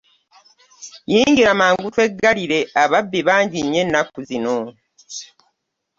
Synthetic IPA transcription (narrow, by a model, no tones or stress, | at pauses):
jiːɲɟiɾamaːŋɡutwe̞ɡaliɾe̞aβabːiβaːɲɟiɲːe̞nːakuzino